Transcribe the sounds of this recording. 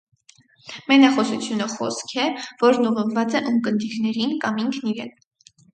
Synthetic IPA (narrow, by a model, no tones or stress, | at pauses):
mɛnɑχɔsut͡sʰjunəχɔ̰skʰɛvɔɾnuʁəvvɑt͡sɛʔumkənd̪iɾnɛɾinkɑmiŋkʰniɾɛ̰n